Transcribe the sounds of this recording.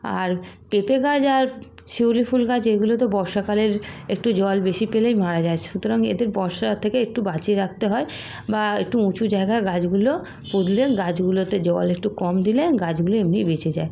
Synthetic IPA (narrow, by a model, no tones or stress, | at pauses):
a̰ɾpepeɡad͡ʑaɾ | ʃiwlifulɡad͡ʑeɡulot̪obɔɾʃakaleɾek̚ʈud͡ʑɔlbeʃipelejmaɾad͡ʑat͡ɕʰe̥ʃut̪oɾaŋḛd̪eɾbɔɾʃat̪ʰekeek̚ʈubat͡ɕiɾak̚t̪eɦɔe | baek̚ʈuũt͡ɕud͡ʑaeɡaeɡad͡ʑɡulo | pod̪ʱleɡad͡ʑɡulot̪ed͡ʑɔlek̚ʈukɔmd̪ileɡad͡ʑɡuloemnibet͡ɕʰed͡ʑa̰e